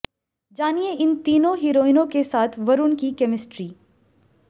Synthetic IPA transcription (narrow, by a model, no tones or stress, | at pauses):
d͡ʒaːnijeɪnt̪iːnõɦiɾoːinõkesaːt̪ʰʋɐɾʊnkikɛmɪsʈɾiː